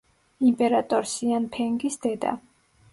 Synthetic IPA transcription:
impʼɛɾat̪ʼɔɾsianpʰɛŋɡisd̪ɛd̪a̰

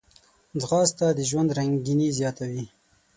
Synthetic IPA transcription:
d͡zɣɑst̪ad̪əʒwand̪ɾaŋɡinizjɑt̪awi

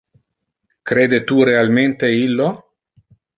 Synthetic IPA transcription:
kɾeːd̪et̪uɾealment̪eilːo

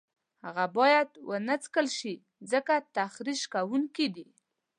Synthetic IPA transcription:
haɣabɑjad̪wənət͡skəlʃi | zəkat̪axɾiʃkawuŋkid̪i

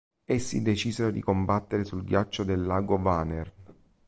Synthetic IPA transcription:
esːḭd̪et͡ʃiːzeɾod̪ikombat̪ːeɾesulɡjat͡ʃːod̪elːaːɡovanern

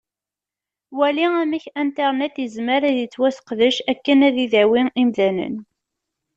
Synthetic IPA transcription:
wæliæmiçænt̪eʁnɛt̪jəzməɾæðət͡sːwæsə̥qðəʃækːənæðiðæwiimðænə̰n

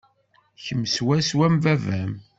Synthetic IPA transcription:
çəmːswæswæmvævæm

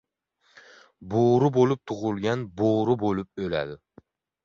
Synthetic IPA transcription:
boɾʊbolˠʊp̚t̪ʰʊʁʊlˠɡʲanboɾʊbolˠʊp̚øla̰d̪ɪ

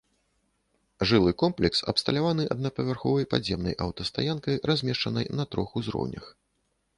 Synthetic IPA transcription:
ʐɨlˠɨkɔmplʲɛksɐ̰pst̪ɐlʲavanɨʔɐ̰d̪nɐpɐvʲɛrxɔvɐjpa̰zʲjɛmnɐ̰jʔɐwt̪ɐst̪a̰jankɐjɾazʲmʲɛʂt͡ʂɐnɐjnɐt̪ɾɔxuzɾɔ̰wnʲɐ̰x

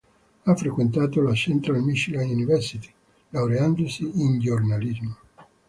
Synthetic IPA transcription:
afːɾekwent̪aːt̪olat͡ʃɛnt̪ɾalmiʃilanunivɛrsit̪i̥ | lawɾeand̪osiːnd͡ʒornalizmo

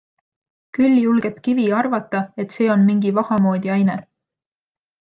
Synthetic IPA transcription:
kylʲːijulɡ̥e̞pkiviɑrvɑt̪ːˑɑe̞t̪se̞ːo̞nmiŋɡivɑhɑmo̞ːd̪̥ʲiɑjne

